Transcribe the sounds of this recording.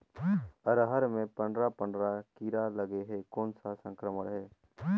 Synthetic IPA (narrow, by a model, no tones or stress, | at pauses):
əɾəɦəɾmẽpə̃ɳɖɾapə̃ɳɖɾakiɾaləɡeɦekoːnsasə̃ŋkɾəməɽɦɛː